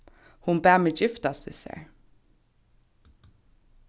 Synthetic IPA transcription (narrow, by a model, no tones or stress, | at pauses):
hʊnbæːmeːjɪft̪ɑsɪ̰sḛːɹ